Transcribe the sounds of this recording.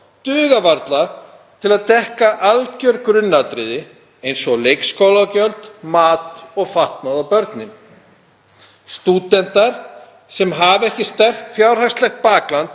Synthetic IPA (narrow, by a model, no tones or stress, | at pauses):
t̪ʏːɣavaɾt̪la | t̪ʰɪlaðt̪ɛhkaʔalcœɾkɾʏnːat̪ɾɪðɪ | ejnsɔɣlejkskowlacœlt̪maːt̪ɔɣfaht̪naðawpœɾt̪nɪm | st̪uːt̪ɛn̥t̪aɾ̥ | sɛmɦavɛhcɪst̪ɛr̥ft̪θjawɾ̥r̥ajst̪lɛxt̪̚paːklant̪̚